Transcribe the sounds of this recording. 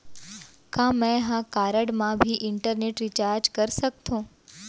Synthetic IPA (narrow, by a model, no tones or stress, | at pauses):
kãmɛ̃ɦãkaɾəɽmãbʱiʔɪɳʈəɾneʈɾit͡ʃaɾd͡ʒkəɾʃək̚t̪ʰõ